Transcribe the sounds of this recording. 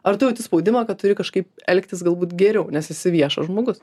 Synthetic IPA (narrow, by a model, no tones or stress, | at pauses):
ɐrt̪ʊjɛʊt̪ʲɪspoʊd̪ʲɪmɐkɐt̪̚t̪ʊɾʲɪkɐʃkɐɪpɛlʲkt̪ʲɪsɡɐlˠbuːt̪ɡʲɛɾʲɛʊnʲɛsjɪsʲɪʋʲiɛʃɐ̰ʒmoːɡʊs